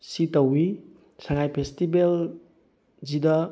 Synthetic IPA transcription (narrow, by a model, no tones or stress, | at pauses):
sitɐwi | saŋajpʰestibel | zidɐ